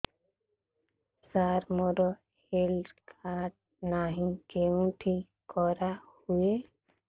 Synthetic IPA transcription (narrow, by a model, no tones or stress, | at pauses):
saɾmɔɾɔ | helkʰaʈ | naɦĩkeũʈʰi | kɔɾahue